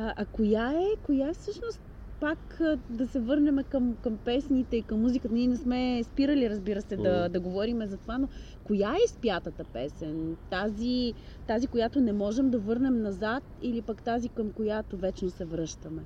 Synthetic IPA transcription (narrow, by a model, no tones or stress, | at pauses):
ʔɐkojaɛkojaɛfsɤʃnost̪ | pakd̪ɐsɛvɤɾnɛmɛkəmkɐmpɛsnit̪ɛikəmːuzikət̪əniɛnɛsmɛspiɾəliɾəzbiɾəsɛd̪ɐd̪ɐɡovɔɾimɛzɐt̪ovano | kojaɛspjat̪ət̪əpɛsɛnt̪azi | t̪azikojat̪onɛmɔʒɛmd̪ɐvɤɾnɛmnɐzat̪ilipakt̪azikəmkojat̪ovɛt͡ʃnosɛvɾɤʃt̪əmɛ